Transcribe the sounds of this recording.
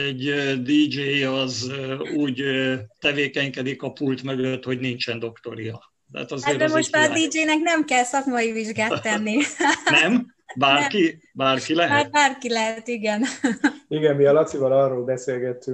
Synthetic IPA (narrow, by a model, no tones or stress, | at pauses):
ɛɟd̪id͡ʒeːjɒzøuːɟt̪ɛveːkɛɲkɛd̪ikɒpult̪møɡøøt̪ho̞ɟnint͡ʃɛnd̪o̞kt̪o̞̰ɾijɒ | t̪ːt̪ɒzeːɛmoʃt̪ɒd̪id͡ʒeːnɛknɛmkɛlsɒkmɒiviʒɡaːt̪ːɛnːinɛm | baːrki | baːrkilɛɦ̚baːrkilɛɦɛt̪iɡɛniɡɛmmiɒlɒt̪sivɒlɒrːoːlbɛseːlɡɛt̪ːy